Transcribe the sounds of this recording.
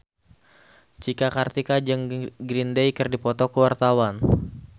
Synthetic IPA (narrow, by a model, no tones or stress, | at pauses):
t͡ʃikakart̪ikad͡ʒəŋɡɾindejkɨrdipɔt̪ɔkuwart̪awan